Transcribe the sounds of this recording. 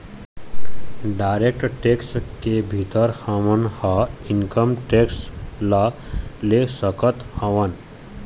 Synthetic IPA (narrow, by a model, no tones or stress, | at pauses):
ɖaɪɾek̚ʈʈekskebʱit̪əɾhaʋənhaiŋkəmʈekslalesəkət̪hə̃ʋən